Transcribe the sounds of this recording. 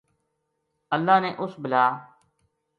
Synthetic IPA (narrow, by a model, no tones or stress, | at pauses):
əlːaːneːʔʊsbəlaː